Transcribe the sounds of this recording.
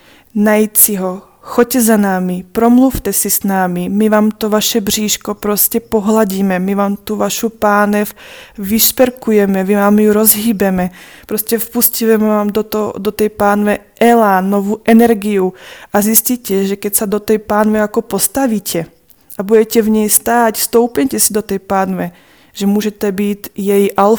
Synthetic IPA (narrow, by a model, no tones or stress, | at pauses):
najsiɦɔ | xoc̚cɛzanaːmipɾomluft̪ɛsisnaːmimivaːmt̪ovaʃɛbr̝iːʃkopɾoscɛpoɦlaɟiːmɛmivaːmt̪uvaʃupaːnɛfviʃpɛɾkujɛmɛmivaːmjuɾozɦiːbɛmɛ | pɾoscɛfpuscivɛmɛvaːmd̪ot̪o̰d̪ot̪ɛjpaːnvɛʔɛlanovuʔɛnɛɾɡijuʔazjɪscicɛʒɛkɛcsad̪ot̪ɛjpaːnvɛjakopost̪aviːcʰɛ | ʔabudɛcɛvɲɛjst̪aːcst̪owpɲɛcɛsid̪ot̪ɛjpaːnvɛ | ʒɛmuːʒɛt̪ɛbiːt̪jɛjʔal